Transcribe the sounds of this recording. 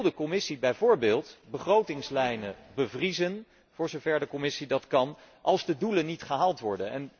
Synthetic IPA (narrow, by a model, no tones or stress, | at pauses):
lˠdəkɔmɪsibɛjvʊːɹbɪːlˠtbəχrowtɪŋslɛjnəbəvrizən | v̥ʊːɹzowvɛɹdəkɔmɪsidɑtkɑn | ʔɑlˠzdədulənːitχəɦaːlˠtʋɔɹdənɛ̰n